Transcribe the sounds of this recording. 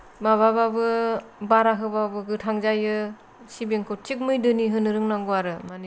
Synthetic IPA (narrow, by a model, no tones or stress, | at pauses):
baβababɯbaɾaɦɯbabɯɡɯtʰaŋzajɯ | sibeŋkʰot͡ʃik̚mɯjdɯniɦɯnɯɾɯŋnaŋɡuaɾɯmani